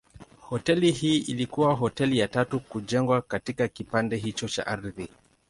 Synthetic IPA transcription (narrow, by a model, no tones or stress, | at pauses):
hɔtɛlihiːʔilikuwaɦɔtɛlijatatukuʄɛŋɡwakatikakipandɛɦit͡ʃɔt͡ʃa̰ʔaɾði